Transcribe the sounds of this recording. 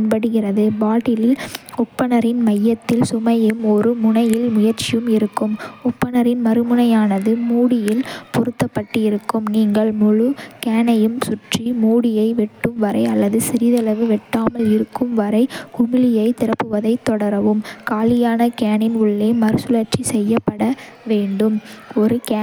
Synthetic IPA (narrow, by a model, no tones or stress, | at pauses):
ɪnpɐɽɯɣɪrɐðɯbaːʈːɪlɪlʊpːɐnɐɾɪnmɐjːɐt̪ːɪlsʊmɐjɯmɔɾɯmʊɳɐjɪlmʊjɐɾt͡ʃɪjɯmɪɾɯkːɯmʊpːɐnɐɾɪnmɐɾɯmɯɳɐjaːnɐðɯmuːɽɪjɪlpʊɾɯt̪ːɐpːɐʈːɯɪɾɯkːɯmniːŋɡɐɭnʊɻɯkeːnɐjɯmsʊʈrimuːɽɪjɐɪʋɪʈːɯmʋɐɾɐɪɐlːɐðɯsɪɾɪðɛlɐʋɯʋɛʈːaːmɐlɪɾɯkːɯmʋɐɾɐɪkʊmɪlɪjɐɪt̪ɪɾɐpːɯʋɐðɐɪt̪ːɔɽɐɾɐʋɯmkaːlɪjaːnɐkeːnɪnʊɭːeːmɐɾɯsʊlɐɾt͡ʃisɛjːɐpːɐɽɐʋeːɳɖɯmɔɾɯkː